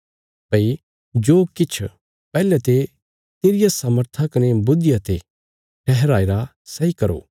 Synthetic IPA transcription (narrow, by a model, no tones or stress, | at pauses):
pɐi | d͡ʒoːkɪt͡ʃʰ | pɛːlɛt̪e | t̪eːɾɪjasɐməɾt̪ʰakɐnebʊd̪ɪjat̪e | ʈʰɛɦɛɾaːeɾa | sɐikɐɾo̰ː